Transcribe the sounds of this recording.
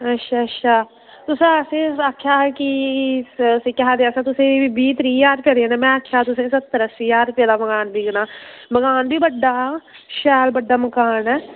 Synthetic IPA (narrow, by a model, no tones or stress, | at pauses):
ətːʃʰaːtʃʰaː | t̪ʊsẽsẽːaːkʰjaːki | sẽkɛɦaːd̪eaːsãt̪ʊsẽibiːt̪ɾiːjaːɾpjeːd̪eaːnaːmɛ̃ːaːkʰːjaːt̪ʊsẽːsət̪ːəɾəsiːaːɾpjaːd̪aːbəɡaːnbʱiːɡənaːbəɡaːnbʱiːbəɖːaː | ʃɛːlbəɖːaːməkaːnɛː